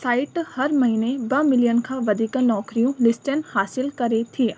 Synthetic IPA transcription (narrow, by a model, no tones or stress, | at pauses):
saːɪʈhɐɾmɐɦiːnebəmɪlijənkʰãːʋɐd̪iːkãnɔːkɾijõlɪsʈənhaːsɪlkɐɾet̪ʰiː